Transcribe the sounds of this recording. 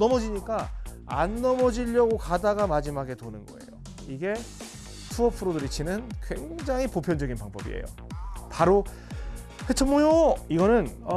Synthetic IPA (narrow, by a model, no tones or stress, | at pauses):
nʌmʌd͡ʑiɲik͈a | a̰nːʌmʌd͡ʑiʎːʌɡokadaɡamad͡ʑimaɡe̞tonɯnɡʌ̰e̞̰jo | iɡe̞ | t͡ɕʰuʌpʰɯɾodɯɾit͡ɕʰinɯnkwe̞ŋd͡ʑaŋɦipopʰjʌnd͡ʑʌɡinpaŋbʌbḭḛjo̰ | paɾo | kʰet͡ɕʰʌmojoiɡʌnɯnʌ